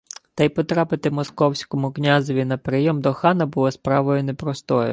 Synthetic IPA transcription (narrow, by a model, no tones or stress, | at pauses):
t̪ɐjpɔt̪ɾɑpɪt̪ɪmɔskɔwsʲkɔmʊknʲazɔʋʲinɐpɾɪjɔmd̪ɔxɑnɐbʊlˠɔspɾɑʋɔjʊnepɾɔst̪ɔjʊ̰